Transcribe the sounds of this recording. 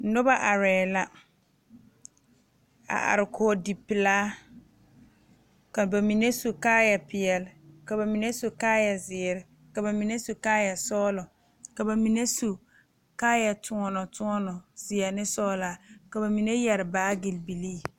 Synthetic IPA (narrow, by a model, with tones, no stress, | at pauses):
nʊ˦ba˦˨ʔa˨ɾɛː˨la˦ | a̰˨ʔa̰˨ɾɪ˨kʰɔː˨˦˨di˨pɪ˨laː˦ | ka˨ba˨mi˨ne˦so˨kaː˦ja˨pɪ˨ɛ˨lɪ˨ka˨ba˨mi˨ne˦so˨kaː˦ja˨zɪ˨ɾɪ˨ | ka˨ba˨mi˨ne˦su˨kaː˦ja˨sɔː˦lɔ˨ | ka˨ba˨mi˨ne˦so˨ | kaː˦ja˨tʰʊ˨ɔ˦nɔ˨tʊ˦ɔ˦nɔ˨zɪ˨a˨nɪ˦sɔː˦laː˨˦ka˨ba˨mi˨ne˦jɛ˨ɾɪ˨baː˦ɡɪ˨lbi˨liː˦˨